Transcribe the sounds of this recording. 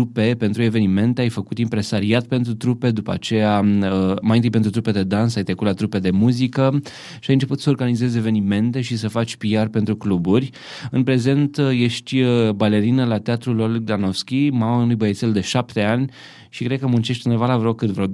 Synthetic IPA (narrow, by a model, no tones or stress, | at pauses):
t̪upe̞pe̞nt̪ɾue̞ve̞nime̞nt̪eajfəkut̪impɾe̞saɾiat̪̚pe̞nt̪ɾut̪ɾupe̞d̪upa̰t͡ʃe̞aəmajnɨjpent̪ɾut̪ɾupe̞d̪e̞d̪ansajt̪ɾekut̪lat̪ɾupe̞d̪e̞muzikə | ʃiajɨnt͡ʃe̞put̪səoɾɡanizeze̞ve̞nime̞nt̪e̞ʃisəfat͡ʃʲpiarpe̞nt̪ɾukluburʲ | ɨnpɾe̞ze̞nt̪je̞ʃt̪ʲbale̞ɾinəlat̪eat̪ɾulolɡd̪anofskʲimamaɨnujbəjeseld̪e̞ʃapt̪e̞anʲ | ʃikɾed̪̚kəmunt͡ʃeʃt̪inevalavɾokkːɨt̪vɾo